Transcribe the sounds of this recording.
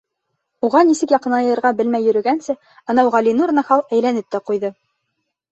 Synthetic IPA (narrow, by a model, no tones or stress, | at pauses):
uʁɑnisɘkjɑqɤ̆nɑjɤ̆jɤ̆ɾʁɑbɘ̆lmæjːɵ̆ɾɵ̆ɡænsɘ | ɤnɑuʁɑlʲinurnɑhɑlˠæjlænɘp̚t̪æqujðɤ